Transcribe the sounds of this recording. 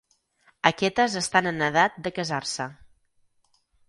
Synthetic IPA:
əkɛt̪əzəst̪anənəðat̪̚d̪əkəzarsə

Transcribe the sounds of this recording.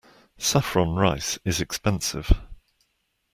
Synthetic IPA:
sʌfəɹə̃nɹaɪsɪzɛkspɛ̃nsɪ̰v̥

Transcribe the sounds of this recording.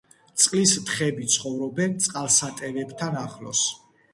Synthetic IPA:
t̪sʼqʼlist̪χɛbit̪sʰχɔvɾɔbɛnt̪sʼqʼalˠsat̪ʼɛɾɛbt̪ʰanaχlɔ̰s

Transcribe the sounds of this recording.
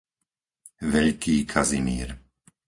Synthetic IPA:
ʋɛʎkiːkʰazimḭːɾ

